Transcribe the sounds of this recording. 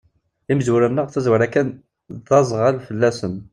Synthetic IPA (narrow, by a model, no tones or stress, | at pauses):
iməzwuɾænːəʁθæzwəɾækːæn | ðɑzˤəʁælfəlːæsən